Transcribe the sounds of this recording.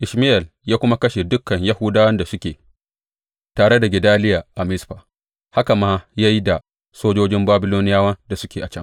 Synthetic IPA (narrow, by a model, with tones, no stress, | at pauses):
ʔɪ˨ʃmɪ˦ʔɛ˨l | jaː˦kʷʊ˦ma˦kɐ˦ʃe˨dʊ˦kːɐ˨ɲja˦huː˦daː˦wɐ˦nda˨sʊ˦kʲeː˨ | taː˨ɽe˦da˨ɡʲɪ˨daː˦lɪ˦jaː˨ʔa˨mɪ˦sɸaː˨ | ha˦ka˨maː˦ja˦ji˦da˨ | soː˦d͡ʒoː˦d͡ʒɪ˦mbaː˦bɪ˦loː˦nɪ˦jaː˦wɐ˦nda˨sʊ˦kʲeː˨ʔa˨t͡ʃɐ˦ŋ